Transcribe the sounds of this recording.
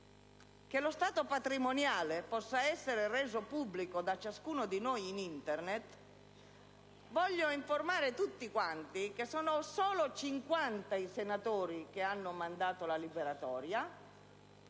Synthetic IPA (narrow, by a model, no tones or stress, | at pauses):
k̟elost̪aːt̪opat̪ɾimonjaːlepɔsːaɛsːeɾereːzopubːlikod̪at͡ʃːaskuːnod̪inojinint̪ernet̪ | vɔʎːoiɱformaːɾet̪ut̪ːikwant̪ikesɔːnosoːlot͡ʃiŋkwant̪aisenat̪oːɾik̟eanːomand̪aːt̪olalibeɾat̪ɔːɾja